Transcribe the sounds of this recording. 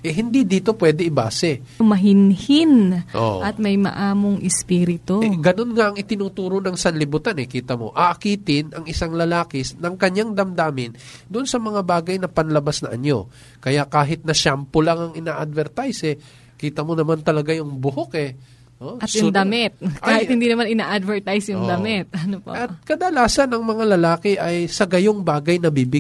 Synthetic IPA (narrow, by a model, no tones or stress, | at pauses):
ʔɛɦɪnd̪id̪iːt̪o̞pwɛːd̪ɛɪbaːsɛ | mɐɦɪnhinʔo̰ʔɐt̪̚mɐjmɐ̰ʔaːmoŋʔɪspiːɾɪt̪oɡɐno̞nŋaʔɐŋɪt̪ɪnuːt̪uːɾonɐŋsɐnlɪbuːt̪anɛkiːt̪ɐmo̞̰ʔɐʔɐkiːt̪ɪnʔɐŋɪsaŋlɐlaːkɪsnɐŋkɐɲjaŋd̪ɐmd̪aːmɪnd̪ʊʔonsɐmɐŋabaːɡɐjnɐpɐnlɐbasnɐʔɐɲo̞̰ | kɐjaʔkaːɦɪt̪̚nɐʃampolaŋɐŋɪnaːʔɐd̪̚vɛɾt̪ajsɛ | kiːt̪ɐmo̞nɐmant̪ɐlɐɡajʊŋbʊhokɛ | ʔoɐjʊŋd̪ɐmɪt̪̚kaːhɪt̪hɪnd̪inɐmanɪnaːʔad̪vɛɹt̪ajsjʊŋd̪ɐmɪt̪̚ɐnopo̰ʔɐkɐd̪ɐlaːsɐnɐŋmɐŋalɐlaːkɪʔɐjsɐɡɐjoŋbaːɡɐjnɐbiːbɪ